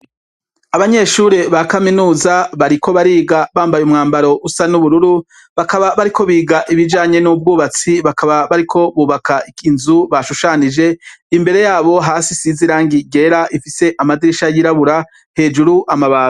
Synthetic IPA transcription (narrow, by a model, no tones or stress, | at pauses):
aβaɲe̞ʃuɾe̞βakaminuːzaβaɾiko̞βaɾiːɡaβaːmbajumŋaːmbaɾo̞ʔusanuβuɾuɾu | βakaβaβaɾikʰo̞βiːɡaʔiβid͡ʒaːɲe̞nub̚ɡuːβat͡siβakʰaβaβaɾikʰo̞βuːβakʰaʔikinzuβaʃuʃanid͡ʒe̞imbe̞ɾe̞jaːβo̞ɦaːsisiziɾaːŋɡiɡe̞ɾaʔifise̞ʔamadiɾiʃajiɾaβuɾa | he̞ːd͡ʒuɾuʔamaβaːɡa